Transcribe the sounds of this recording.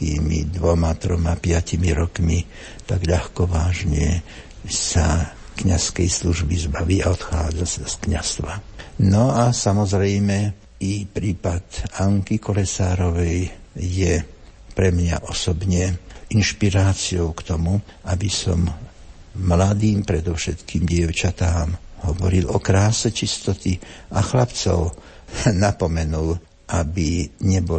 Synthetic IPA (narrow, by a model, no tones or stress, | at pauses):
ḭːmḭd̪ʋɔmat̪ɾɔmapɪacimiɾɔkmi | t̪aɡʎaxkɔʋaːʒɲɪɛ | sa | kɲaskɛjsluʒbizbaʋiːaɔt̪xaːd͡zasaskɲa̰st̪ʋanɔasamɔzɾɛjmɛ | ipɾiːpat̪aŋkikɔlɛsaːɾɔʋɛjːɛpɾɛmɲa̰ʔɔsɔbɲɛinʃpiɾaːt͡siɔʊkt̪ɔmuʔabisɔ̰mː | lad̪iːmpɾɛd̪ɔʊʃɛt̪kiːmɟɪɛʊt͡ʃat̪aːmɦɔʋɔɾilɔkɾaːsɛt͡ʃist̪ɔt̪iʔaxlapt͡sɔ̰ʊ | napɔmɛnul | ʔabiɲɛbɔ